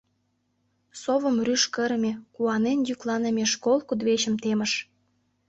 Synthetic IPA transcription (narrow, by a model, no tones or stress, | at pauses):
soβə̆mryʃkəɾmʲekuɑnenjyklɑnĕmʲeʃkolˠkud̪βeɕə̆mt̪emə̆ʃ